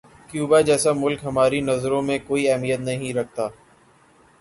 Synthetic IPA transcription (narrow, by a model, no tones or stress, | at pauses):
kjuːbad͡ʒɛːsamʊlkɦɐmaːɾinɐzɾõmẽkoːiɛɦmijət̪nɐɦĩɾɐk̚ʰt̪aː